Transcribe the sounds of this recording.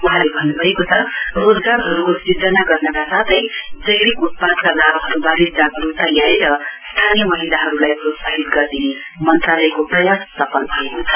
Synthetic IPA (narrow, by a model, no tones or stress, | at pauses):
wʌɦãlebʱʌnːubʱʌekot͡sʰʌrod͡zɡarɦʌɾukosid͡zʌnaɡʌrnʌkasat̪ʰʌjd͡zʌjɾikut̪̚pad̪kaɡaɾɦʌɾubaɾid̪̚d͡zabɾut̪ʌjjaɾiɾʌst̪ʰanijʌmʌɦilaɦʌɾulajprosaɦit̪ɡʌrd̪ine | mʌnt̪ralʌjkoprʌjast̪ʌpʌnbʱʌekot͡sʰʌ̥